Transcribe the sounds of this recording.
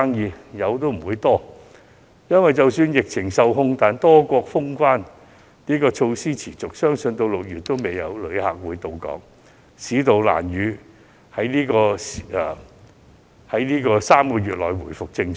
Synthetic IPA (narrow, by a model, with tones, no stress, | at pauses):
a˥ŋjiː˨˧jɐ˨˧wt̪o˥wm̩˨˩wuː˨˧jt̪ɔː˥ | jɐ˥nwɐ˨˩jt͡sɐ˨wsyː˧njɪ˨k̚t͡sʰɪ˨˩ŋsɐ˨wɦʊ˧ŋt̪aː˨nt̪ɔː˥kʷɔː˧k̚fʊ˥ŋkʷwaː˥n | niː˥kɔː˧t͡ʃʰo˧wsiː˥t͡sʰiː˨˩t͡sʊ˨k̚sœː˥ŋsɵ˧nt̪o˧wlʊ˨k̚jyː˨t̚t̪ːo˥wme˨˩jjɐ̰˨˧wlɵ˨˧ɥha̰ː˨k̚wuː˨˧jt̪o˨wkɔ̰ː˨˥ŋ | siː˨˥t̪o˨wla̰ː˨˩njyː˨˧ | hɐ˨˥jniː˥kɔː˧s | hɐ˨˥jniː˥kɔː˧saː˥mkɔː˧ɥyː˨t̚lɔ̰ː˨jwuː˨˩jfʊ˨k̚t͡sɪ˧ŋ˨˩